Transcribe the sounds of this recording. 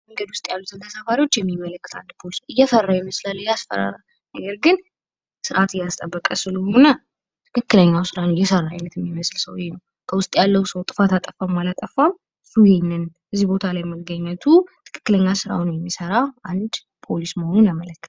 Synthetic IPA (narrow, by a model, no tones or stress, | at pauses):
məŋɡəd̪wʊst̪ʼjalːut̪ʰɨnt̪ʰəsafaɾiwo̞t͡ʃːjɛmːimːələkːɨt̪ʰand̪pʰolisɨjːɛfərːajɛməslalːjasfə̰ɾa̰ɾal | nəɡəɾɡɨn | sɨɾat̪jast̪ʼəbːəkʼəsɨləho̞nə | t̪ʰɨkʰɨkːɨləɲːawsɨɾanəɪjːɛsərːaa̰jnət̪ɨmːiməslsəwjnəw | kʰəwʊst̪ʼjalːəwsəwt̪ʼɨfat̪at̪ʼəfamalat̪ʼəfːam | fujinɨn | ʔɨzːibo̞t̪ʰalajməɡɡəɲːət̪ʰut̪ʰɨ̥kʰɨ̥kːɨləɲːasɨɾa̰wnəwjɛmːisəɾaʔand̪ | pʰo̞lisməho̞nunjamələkːɨ̥t̪ʰa